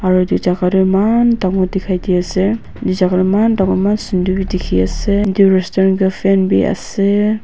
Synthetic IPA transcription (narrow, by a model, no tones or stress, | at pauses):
aɾudizakaɾɯmandaŋɔdikʰajdijase | dizaɡaɾɯmandaŋɔmansindubidikʰiasediɾɛstɔɾnɡɯpʰɛnbḭa̰se